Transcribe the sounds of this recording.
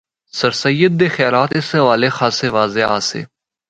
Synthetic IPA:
səɾsəjːəd̪̚ːeːxjaːlaːt̪ɪsʋaːleːxaːseːʋaːzeːa̰ːsḛː

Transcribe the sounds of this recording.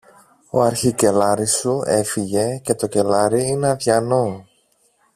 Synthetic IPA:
o̞̰ɐɾçice̞lɐɾisue̞fiʝe̞ce̞t̪oce̞lɐɾiineɐðʝɐno̞

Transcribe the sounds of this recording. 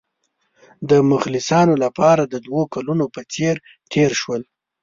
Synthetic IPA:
d̪əmʊxlɪsɑnolapɑɾad̪əd̪wokalunopət͡seɾ | ʈʰeɾʃwəl

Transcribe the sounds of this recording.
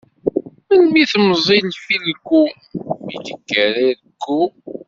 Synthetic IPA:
mənmiθəmzˤilfilkːu | jḭd̪əkːəɾiðəkːu

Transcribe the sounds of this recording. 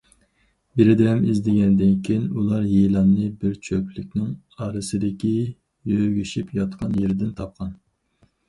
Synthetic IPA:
beɾɪd̪ɪɦɛmizd̪ɪɡʲɛnd̪ɪnkʲʰijinulˠɑɾjelˠɑnːɨbɪɾt͡ʃʰøplyk̚ʲnɪŋ | ɑɾɨsɨd̪ɪkʲi | jøɡʲyʃipjɑt̪qʰɑnjeɾɪd̪ɪnt̪ʰɑp̚qʰɑn

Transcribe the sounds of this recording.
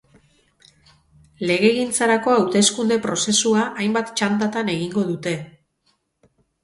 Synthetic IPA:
le̞ɣ̞e̞ɣint͡saɾako̞awt̪e̞skund̪e̞pɾo̞se̞suaʔajmbat̪t͡ʃand̪at̪ane̞ɣiŋɡo̞ðut̪e̞

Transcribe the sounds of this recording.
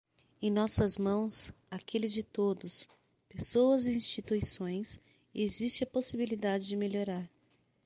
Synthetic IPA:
ẽj̃nɔsɐzmɐ̃w̃sakʰelɪzd͡ʒɪt̪od̪ʊs | pesowɐziĩst͡ʃit̪uisõj̃s | ezist͡ʃɪɐposibilid̪ad͡ʒɪd͡ʒɪmeʎoɾaɾ

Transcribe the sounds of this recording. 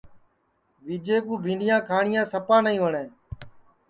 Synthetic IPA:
ʋiːd͡ʒeːkũːbʱĩːɳɖɪjãːkʰaːɳɪjãːsəpãːnəĩːʋəɳẽː

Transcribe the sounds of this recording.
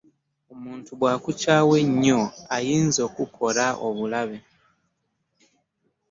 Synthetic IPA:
omuːntuβwaːkucaːwe̞ɲːo̞ajiːnzo̞ːkukʰo̞ɾaʔo̰βulaβe̞

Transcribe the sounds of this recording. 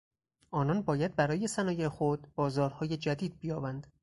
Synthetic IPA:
ʔɒːnɒnbɒːjæd̪̚bæɾɒːje̞sænɒːjexod̪̥b̥ɒːzɒːɾhɒːje̞d͡ʒæd̪iːd̪̚bijɒːbænd̪

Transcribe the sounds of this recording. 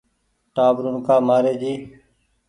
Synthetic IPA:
ʈaːbɾunkaːmaːɾeːd͡ʒiː

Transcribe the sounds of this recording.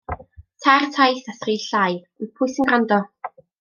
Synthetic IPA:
tʰartʰajθasriːɬaj | ipʰʊjsənɡrandɔ

